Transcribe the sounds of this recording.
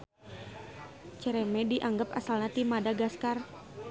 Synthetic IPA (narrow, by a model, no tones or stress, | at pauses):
t͡ʃəɾɛmɛdiʔaŋɡapa̰salnat̪imadaɡaskar